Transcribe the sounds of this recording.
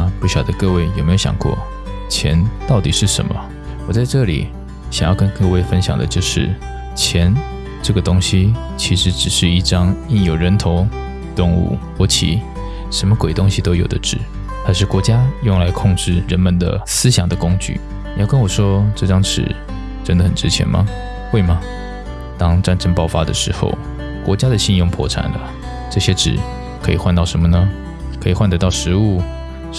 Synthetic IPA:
pu˥˩ɕjɑ˨˩d̪ə˦kɤ˥˧we˥˩ɪjo˨˩me˥jo˧˩jɑ̰˨˩ŋkwɔ̰˥˩ | t͡ɕʰjɛ̰˧˦nt̪ɑ˥˩ʊt̪i˨˩ʂɻ̩˥˩ʂə̰˧˥nmə̰˨ | wɔ˨˩t͡sa˥˧ɪʈ͡ʂɤ˥˩lḭ˨˩ | ɕjŋjɑ˥˧ʊkə˦nkɤ˥˧we˥˩ɪfə˥nɕjɑ̰˨˩ŋd̪ə̰˦t͡ɕjo˥˧ʊʂɻ̩˥˩ | t͡ɕʰjɛ˧˥n | ʈ͡ʂɤ˥˩ɡə˩t̪ʊ˥ŋɕi˥ | t͡ɕʰi˧˥ʂɻ̩˧˥ʈ͡ʂɻ̩˨˩ʂɻ̩˥˧i˥˩ʈ͡ʂɑ˥ŋi˥njo˨˩ʊɻə˧˥nt̪ʰo˧˥ʊ | t̪ʊ˥˧ŋṵ˥˩xwɔ˧˥t͡ɕʰḭ˨˩˦ | ʂə˧˥nmə˧kwe˨˩ɪt̪ʊ˥ŋɕi˧t̪o˥ʊjo˨˩ʊd̪ə˦ʈ͡ʂɻ̩˨˩˦ | xa˧˥ɪʂɻ̩˥˩kwɔ˧˥t͡ɕja˥jʊ˥˩ŋla˧˥ɪkʰʊ˥˧ŋʈ͡ʂɻ̩˥˩ɻə˧˥nmə˨nd̪ə̰˩sɹ̩˥ɕjɑ˨˩ŋd̪ə˦kʊ˥ŋt͡ɕy̰˥˩˨ | jɑ˥˩ʊkə˥nwɔ˨˩ʂwɔ˥ʈ͡ʂɤ˥˩ʈ͡ʂɑ˥ŋʈ͡ʂɻ̩̰˨˩ | ʈ͡ʂə˥nd̪ə˨xə˨˩nʈ͡ʂɻ̩˥t͡ɕʰjɛ̰˧˥nmɐ̰˨ | xwe˥˩ɪmɐ˩ | t̪ɑ˥ŋʈ͡ʂa˥˧nʈ͡ʂə˥npɑ˥˩ʊfa˥d̪ə̰˨ʂɻ̩˧˥xo̰˥˧ʊ | kwɔ̰˧˥t͡ɕja˥d̪ə˨ɕi˥˧njʊ˥˩ŋpʰɔ̰˧˥ʈ͡ʂʰa̰˨˩nlə̰˦ | ʈ͡ʂɤ˥˩ɕjɛ˥ʈ͡ʂɻ̩̰˨˩ | kʰɤ˧˥i˨˩xwa˥˧nt̪ɑ˥˩ʊʂə˧˥mə˧nə˩ | kʰi˨˩xwa˥˩nt̪ɤ˧˥t̪ɑ˥˩ʊʂɻ̩˧˥u˥˩

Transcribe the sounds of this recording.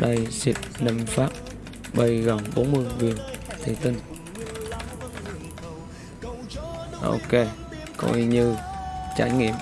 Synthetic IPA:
ɗə˧jsi˨˩p̚nə˧mfaː˦˥p̚ | ɓə˧˩jɣə˨˩ŋɓo˨˦nmɨ˧əjvi˧˨ənt̪ʰḭ˧˩t̪ï˧ŋ | ʔo̰˧˩ke˧ | kɔ̰˧ʔḭ˧ɲɨ˧t͡ɕa˧˩jŋḭ˧˨əm

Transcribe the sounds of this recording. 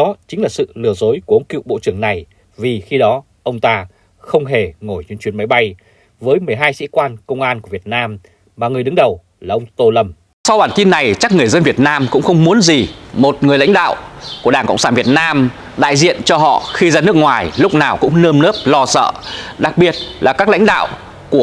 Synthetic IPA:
ɔ˨˦t͡ɕï˨˦ŋ̟laː˨˩sɨ̰˧˨lɨ˨˩əzo˨˦jku˧˩ʔə˨˦ŋ͡mkḭ˧˨wɓo̰˧˨t͡ɕɨ˧˩əŋna˨˩j | vi˨˩xi˧ɗɔ˨˦ | ʔə˧wŋ͡mt̪aː˧ | xə˧wŋ͡mɦe˧˩ŋo˧˩jt͡ɕwnt͡ɕwi˨˩ənma˨˦jɓa˧j | vəː˨˦jmɨ˨˩əjɦaː˧jsḭ˧˥kwaː˧nkə˧wŋ͡mʔaː˧nku˧˩əvi˨˩ət̚naː˧m | maː˨˩ŋ˨˩əɗɨ˨˦ŋɗə˨˩w | laː˨˩ʔə˧wŋ͡mt̪o˧lə˧˩m | sa˧wɓaː˧˩nt̪i˧nːa˨˩jt͡ɕa˦˥k̚ŋɨ˨˩əjzə˧nvi˨˩ət̚naː˧mkʊ̰˧˥ŋ͡mxə˧wŋ͡mmu˨˦ənzi˨˩mo˨˩t̚ŋɨ˨˩əjla˧˥jŋ̟ɗa̰ː˧˨wku˧˩ə˩ɗaː˧˩ŋkə̰˧˨wŋ͡msaː˧˩nvi˨˩ət̚naː˧m | ɗa̰ː˧˨jzḭ˧˨ənt͡ɕɔ˧ɦɔ̰˧˨xi˧zaː˧nɨ˦˥ək̚ŋwaː˨˩jlʊ˦˥k͡p̚naː˨˩wkʊ̰˧˥ŋ͡mnəː˧mnə˦˥p̚lɔ˧sə̰ː˧˨ɗa˨˩k̚ɓi˨˩ət̚laː˨˩kaː˦˥k̚la˧˥jŋ̟ɗa̰ː˧˨w | ku˧˩

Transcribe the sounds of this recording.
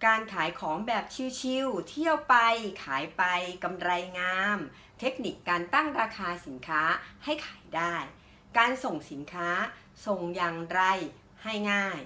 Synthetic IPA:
kaː˧nkʰaː˩˦jkʰɔː˩˦ŋbɛː˨˩p̚t͡ɕʰi˧wt͡ɕʰi˧wt̪ʰi˥˩əwpa˧jkʰaː˩˦jpa˧jka˧mɾa˧jŋaː˧m | t̪ʰe˦˥k̚ni˨˩kːaː˧nt̪a˥˩ŋɾaː˧kʰaː˧si˩˦nkʰaː˦˥ha˥˩jkʰaː˩˦jdaː˥˩j | kaː˧nso˨˩ŋsi˩˦nkʰaː˦˥ | so˧ŋjaː˨˩ŋɾa˧j | ha˥˩jŋaː˥˩j

